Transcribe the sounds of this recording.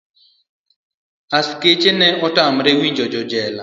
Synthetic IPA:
asket͡ʃenɛʔɔtamɾewiɲd͡ʒɔd͡ʒɔd͡ʒɛla

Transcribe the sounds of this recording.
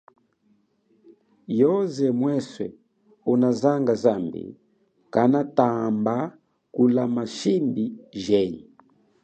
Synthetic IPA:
jɔzɛmwɛswɛ̰ | unazaŋɡazambḭ | kanatamba | kulamaʃimbiʒɛɲḭ

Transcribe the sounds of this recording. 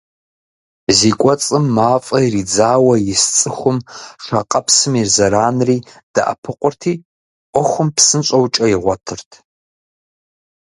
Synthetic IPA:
ziːkʷʼɔt͡sʼɨmːaːfʼɐjrid͡zaːwɐjɪst͡sʼɨxʷʊmʂʷɐqʼɐpʰsɨmirzɐɾaːnriː | d̥a̰ʔɐ̰pʰɨqʷʼʊrtʰiː | qʷɔxʷʊmpsɨnɕʼɐwt͡ʃʼɐjɪʁʷɔtʰɨrtʰ

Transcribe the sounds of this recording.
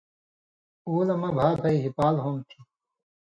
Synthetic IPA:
uːlɐmɐbʱaːbʰʱɐiɦipaːlɦomt̪ʰi̥

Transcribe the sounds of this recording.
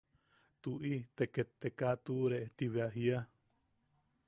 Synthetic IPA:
t̪uʔit̪eket̪ːekat̪uɾeet̪iβeaɦia

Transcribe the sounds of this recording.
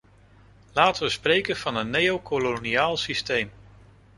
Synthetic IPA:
laːtəʋəsprejkənv̥ɑnənːejowkoloniaːlˠsistejm

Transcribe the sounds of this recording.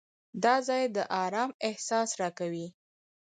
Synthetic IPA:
d̪ɑzɑjd̪əʔɑɾɑmɪhsɑsɾɑkawi

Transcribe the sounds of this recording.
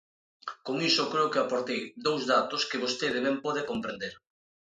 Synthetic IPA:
koŋisʊkɾeʊkɪapoɾt̪ejd̪owzðat̪oskɪβost̪eðeβɛmpɔðɪkompɾend̪eɾ

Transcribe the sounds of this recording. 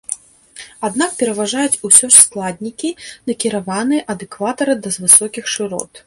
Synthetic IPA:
ad̪nak̚pʲɛɾɐvaʐajut͡sʲusʲɔʂsklˠad̪ʲnʲikʲinɐkʲiɾavanɨjɛʔɐd̪ɛkvat̪ɐɾɨd̪ɐzvɨsɔkʲixʂɨɾɔ̰t̪

